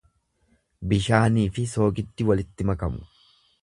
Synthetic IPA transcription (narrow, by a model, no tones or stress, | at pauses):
bɪʃaːniːfɪso̞ːɡɪd̪ːɪwɐlɪt̪ːɪmɐkɐmʊ̥̰